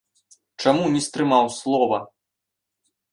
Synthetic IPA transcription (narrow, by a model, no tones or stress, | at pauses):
t͡ʂamunʲist̪ɾɨmawslˠɔvɐ